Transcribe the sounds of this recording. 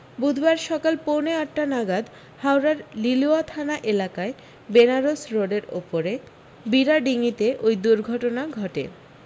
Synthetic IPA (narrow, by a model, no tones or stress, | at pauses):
bud̪ʱbaɾʃɔkalponeaʈːanaɡad̪ | hawɾaɾliluat̪ʰanaʔelakae | benaɾosɾoɖeɾo̰poɾe | biɾaɖiŋit̪eʔojd̪uɾɡʱɔʈonaɡʱɔʈḛ